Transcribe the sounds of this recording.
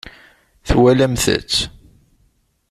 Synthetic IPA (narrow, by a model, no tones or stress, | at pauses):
θwælæmθə̰t͡sː